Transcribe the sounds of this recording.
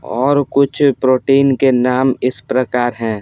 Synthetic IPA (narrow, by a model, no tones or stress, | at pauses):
ɔːɾkʊt͡ʃʰpɾoːʈeːnkenaːmɪspɾəkaːɾɦɛ̃ː